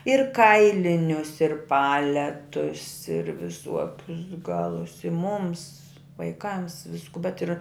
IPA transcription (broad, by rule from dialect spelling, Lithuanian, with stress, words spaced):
ɪr ˈkɐɪlʲɪnʲʊs ɪr ˈpɑːlʲɛtʊs ɪr ʋʲɪˈsuɔkʲʊs ˈɡɑːlˠʊs ɪ mʊms ʋɐɪˈkɐms ˈʋʲɪskʊ bʲɛt ɪr